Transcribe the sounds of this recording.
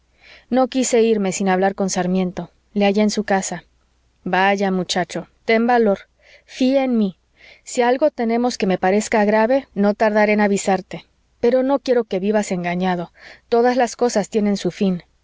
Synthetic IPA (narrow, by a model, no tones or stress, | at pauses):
no̞kise̞iɾme̞sinaβlaɾko̞nsaɾmjẽ̞nt̪o̞ | leaʝeːnsukasa | baʝamut͡ʃat͡ʃo̞t̪e̞mbalo̞ɾ | fiaenmi | sialɣo̞t̪e̞nẽ̞mo̞ske̞me̞paɾe̞skaɣɾaβe̞no̞t̪aɾðaɾe̞naβisaɾt̪e̞ | pe̞ɾo̞no̞kje̞ɾo̞ke̞βiβase̞ŋɡaɲaðo̞t̪o̞ðazlasko̞sast̪je̞ne̞nsufin